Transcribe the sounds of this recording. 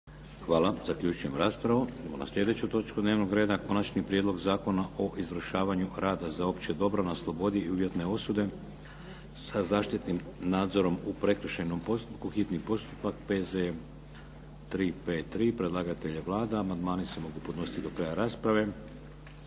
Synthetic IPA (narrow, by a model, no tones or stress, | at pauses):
xʋaːlazakʎʲuːt͡ʃuje̞mɾaspɾaʋuuna̰sʎʲe̞d̪e̞t͡ɕut̪o̞t͡ʃkud̪neːʋno̞ɡɾe̞ːd̪ako̞nat͡ʃnipɾje̞d̪lo̞ɡzaːko̞naʔo̞ʔizʋɾ̩ʃaːʋaɲuɾaːd̪azao̞pt͡ɕed̪o̞bɾanaslˠo̞bo̞d̪iiuʋje̞t̪ne̞o̞sud̪e̞ | sazaːʃt̪it̪nimnaːd̪zo̞ɾo̞mupɾe̞kɾ̩ʃenomposukuxit̪nipo̞st̪u̥pak̚pe̞ze | t̪ɾiːpet̪ːɾiːpɾe̞d̪lˠaːɡat̪eʎeʋlˠaːd̪aamand̪maːnisemo̞ɡupod̪no̞sit̪id̪o̞kɾaːjaɾaːspɾaʋe̞